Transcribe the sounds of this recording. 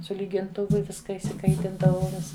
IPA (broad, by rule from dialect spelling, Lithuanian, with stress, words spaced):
sʊ lʲiːɡʲɪnˈtʊʋʊ ˈʋʲɪskɐ ɪʃʲsʲɪˈkɐɪtʲɪndɐʋɐʊ ˈʋʲɪs